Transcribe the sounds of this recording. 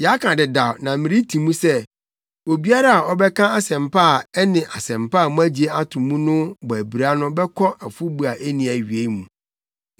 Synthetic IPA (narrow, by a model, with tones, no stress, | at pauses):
ja˦kʰã˨dɪ˨da˨wnã˨mɪ̃˨ɾi˦tʰĩ˨mũ˦sɛ˦ | o˨bi˦a˦ɾa˦a˨ɔ˦bɛ˦kʰã˦a˨sɛ̃˨mpʰa˦˨ɛ˦nɪ̃˨ʔa˨sɛ̃˨mpa˦˨mũ˦æ˦d͡ʑi˦e˦a˦tʰʊ̃˨mũ˦nʊ̃˦bɔ˨æ˨bi˨ɾa˦nʊ̃˦bɛ˦kʰɔ˦ʔa˨fu˦bu˦a˨ʔe˦nĩ˨æ˨ɥi˨e˦mũ˨